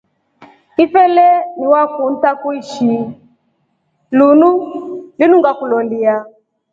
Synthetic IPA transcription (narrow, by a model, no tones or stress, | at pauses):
ifɛlɛniwakun̩takuiʃi | lunulinuŋɡakulɔlia